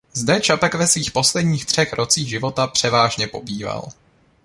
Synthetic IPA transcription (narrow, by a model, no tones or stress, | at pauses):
zdɛt͡ʃapɛkvɛsviːxpo̞slɛdɲiːxt̪r̥ɛxɾʔo̞t͡siːɣʒɪvo̞t̪apr̝̥ɛvaːʒɲɛpo̞biːva̰l